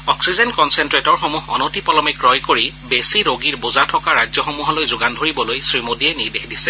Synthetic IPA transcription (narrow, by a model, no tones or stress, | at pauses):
ɔksizɛnkɔnsɛntɹetɔɹxomuɦɔ̰notipɔlɔmɛkɹɔjkoɹibesiɹoɡiɹbuzatʰɔkaɹajzjɔxomuɦɔlojzʊɡandʱoɹibɔlojsɹimodiɛniɹdexdisɛ